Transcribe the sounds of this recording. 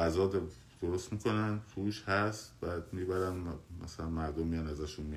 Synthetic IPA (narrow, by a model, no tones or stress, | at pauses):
æzɒːd̪ | d̪̥oɾost̪miːkʰo̞nænpʰuːʃhæst̪bæd̪miːbæɾænmæ̰sælænmæɾd̪omːijɒnæzæʃunmi